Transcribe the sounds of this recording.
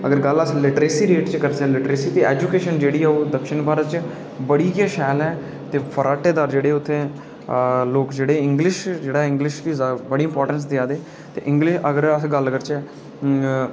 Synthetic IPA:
əɡəɾɡələslɪʈɾeːsiːɾeːʈt͡ʃkəɾseɛːlɪʈɾeːsiːt̪eːɛːd͡ʒuːkeːʃənd͡ʒeːɽiːɛːoːd̪əkʃɪnbaːɾət̪t͡ʃ | bəɽiːkaːʃɛːlɛː | t̪eːpʰəɾaːʈeːd̪aːɾd͡ʒeːɽeːʊt̪ʰːẽː | loːkd͡ʒeːɽeːɪ̃ŋɡlɪʃd͡ʒeːɽaːɛɪ̃ŋɡlɪʃtiːzbəɽiːɪmpɔːɾʈəns̬d̪ɪaːd̪eː | t̪eːʔɪ̃ŋɡlɪʃəɡəɾəsɡəlɡəɾt͡ʃɛː

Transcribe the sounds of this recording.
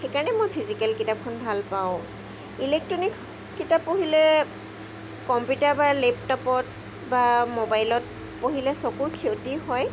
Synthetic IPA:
xekaɹɔnɛmojpʰizikɛlkitap̚kʰɔnbʱalpaʊ̃ | ilek̚tɹɔnikː | itapːoɦilɛ | kɔmpjutaɹbaleptɔpɔt̚ | bamobajlɔt̚ | poɦilɛsɔkuɹkʰewtiɦɔj

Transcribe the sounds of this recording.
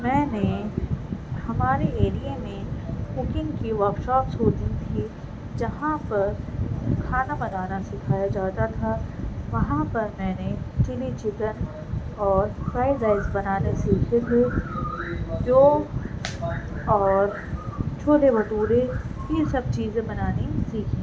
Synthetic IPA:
mɛ̃ːne | hɐmaːɾeeːɾijemẽpʊkɪ̃ŋkiʋɔɾkʃɔːpsoːt͡ʃ̪ĩt̪ʰi | d͡ʒɐɦãpɐɾkʰaːnamɐd̪aːnasɪkʰaːjad͡ʒaːt̪at̪ʰaʋɐɦãpɐɾmɛ̃ːnet͡ʃɪlit͡ʃɪt̪ən | ɔːɾpaːɪzaːɪzbɐnaːnesiːkʰet̪ʰe | d͡ʒoː | ɔːɾ | t͡ʃʰoːʈebɐʈuːɾejesɐb̚t͡ʃiːzẽbɐnaːnisiːkʰĩ

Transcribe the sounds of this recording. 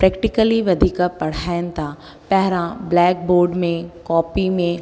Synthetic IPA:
pɾɛːkʈɪkəliʋɐd̪ʱikapɐɽ̤ant̪a | pɛɦɾãblɛːk̚boːɾɖmẽkɔːpimẽ

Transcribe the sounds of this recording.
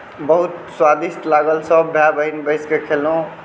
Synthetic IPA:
bəɦut̪swad̪ist̪laɡəlsəbːʱjabəɦinbəɪskekʰelõ

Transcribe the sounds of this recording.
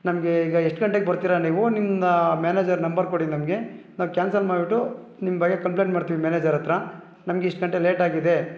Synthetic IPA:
nɐmɡeiːɡɐɛʂʈɡɐɳʈ̬eːɡebɐɾt̪iːɾɐniːʋunimːɐmaːneːd͡ʒɐɾnɐmbɐɾkoɽinɐmɡe̞naːʋukʲaːnsɐlmaːɽbiʈːu | nimːɐbɐɡekɐmp̬leːɳʈmaːɖt̪iʋimaːneːd͡ʒɐɾɐt̪ɾɐ | nɐmɡeiʂʈɡɐɳʈeleːʈaːɡid̪e̞

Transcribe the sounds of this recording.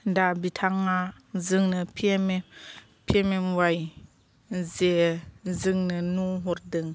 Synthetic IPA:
dabitʰaŋa | zɯŋnɯpʰem | pʰememwaj | zezɯŋnɯnuɦɔɾdɯŋ

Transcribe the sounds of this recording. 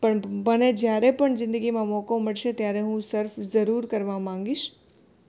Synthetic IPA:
pəɳməned͡ʒjaɾepəɳzɪ̃nd̪əɡimãmɔkoməɭʃet̪jaɾeɦũsəɾfzəɾuɾkəɾʋamãŋɡiʃ

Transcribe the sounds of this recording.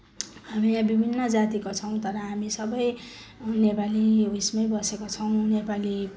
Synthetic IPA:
hamiabibʱinːʌd͡zat̪ikot͡sʰʌw̃t̪ʌɾʌɦamisʌbʌjnepaliɦujsmʌjbʌsekot͡sʰʌw̃nepali

